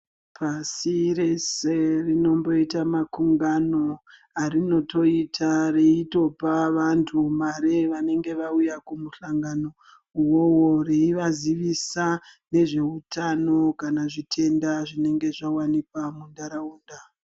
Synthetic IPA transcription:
pʰasiɾe̞serino̞mbo̞itamakuŋɡano̞ | arino̞to̞itʰareito̞paʋantʰumaɾeʋane̞ŋɡe̞ʋaujakumusaŋɡano̞ | uwoworeiʋaziʋisane̞ʐe̞utʰano̞kanaʐitʰe̞ndaʐine̞ŋɡe̞ʐawanikwamundaɾauːnda

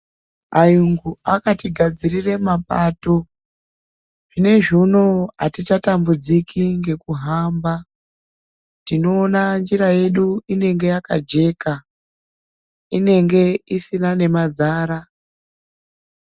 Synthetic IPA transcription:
ajuŋɡuakatiɡʱad͡zirire̞mapaːto̞ | ʐ̥ine̞ʐuno̞atit͡ʃatambud͡zikʰiŋɡe̞kuɦamba | tino̞ːnand͡ʒiɾaje̞ɗuine̞ŋɡe̞jaka̰d͡ʒe̞ka | ine̞ŋɡe̞isinane̞mad͡zaːɾa

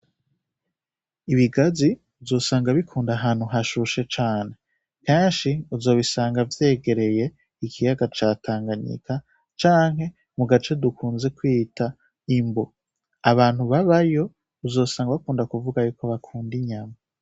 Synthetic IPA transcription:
iβiɡazi | uzo̞ːsaːŋɡaβikʰuːndaɦaːn̥huɦaʃuʃe̞t͡ʃaːne̞ | keːnʃiuzo̞ːβisaːŋɡavje̞ːɡe̞ɾe̞je̞ | ikʰijaɡat͡ʃaːtʰaːŋɡaɲḭkʰa | t͡ʃaːŋɦhe̞ | muɡat͡ʃe̞dukʰuːnze̞kwita | imbo | aβaːn̥huβaβajo̞ | uzo̞ːsaːŋɡaβakuːndakuvuɡajuːkoβakʰuːndiɲama

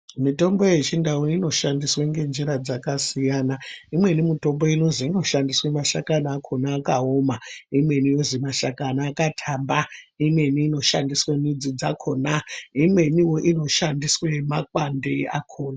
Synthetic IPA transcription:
mito̞mbo̞je̞t͡ʃindawunino̞ʃandisweŋɡe̞nd͡ʒiɾad͡zakasijanaimwe̞nimito̞mbo̞ino̞ziino̞ʃandiswemaʃakanaːkʰo̞naːkaomaimwe̞nijo̞zimaʃakanaːkatʰambaimwe̞niːno̞ʃandiswenid͡zid͡zakʰo̞naimwe̞niwo̞ʔino̞ʃandiswemakwandea̰kʰoːna

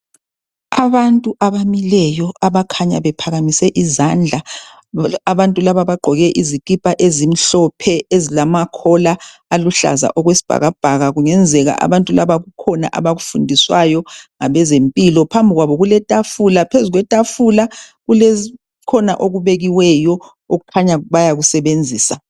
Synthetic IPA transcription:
aβantʼuʔaβamilɛjɔaβakʰaɲa̰βɛpʰaɣamisɛʔizand͡ɮʱa | aβantʼulaβaβaɡ͡ǃʱɔɣɛʔizikʼipʼaʔezim̩ɬɔpʰɛezilamakʰɔlaː | luɬa̰za̰ʔɔɣwesi̥b̥ʱa̰ɣab̥ʱaɣaɣuŋɛnd͡zʱɛɣa̰ʔa̰βantʼulaβaɣukʰɔna̰ʔa̰βaɣufundʱiswajɔŋaβɛzempʼilɔpʰambʱiɣwaβɔɣulɛtʼafulapʰezuɣwɛtʼafulaɣulezi | kʰɔna̰ʔoɣuβeɣiwɛjɔ | oɣukʰaɲaβajaɣusɛβend͡zʱiːsa

